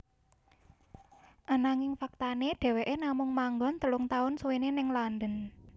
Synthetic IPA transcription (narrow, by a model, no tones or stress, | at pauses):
ʔanaŋɪŋfak̚t̪aneɖ̥ɛ̤weʔenamʊŋmaŋɡɔnt̪əlʊŋt̪aʊnsuwenenɪŋland̪ən